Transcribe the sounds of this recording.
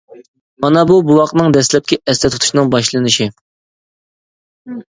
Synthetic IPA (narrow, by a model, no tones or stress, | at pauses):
mɑnɑbubuwɑqnɨŋd̪ɛslɛp̚kʲiʔɛst̪ɛt̪ʰut̪ʰu̥ʃnɨŋbɑʃlˠɨnɨʃi